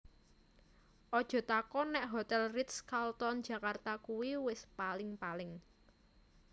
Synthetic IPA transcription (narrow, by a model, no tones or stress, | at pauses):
ʔɔd̥ʒ̥ɔ̤t̪akɔnɛʔɦot̪ɛlrit̪skalt̪ɔnd̥d͡ʒʒ̥ä̤kart̪akuwiwɪspalɪŋpalɪŋ